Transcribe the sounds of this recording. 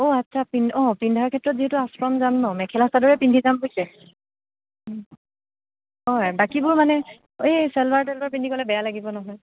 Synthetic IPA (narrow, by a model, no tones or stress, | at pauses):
oatːsʰapinɔ̃pindʱakʰɛtɹɔt̚ziutʊaspɹɔmzanːɔmɛkʰɛlastadɔɹɛpindʱizampojsɛ | ɦɔjbakibʊɹmanɛ | esɛlbaɹtɛlbaɹp̬indʱikɔlɛbɛjalaɡibɔnɔɦɔj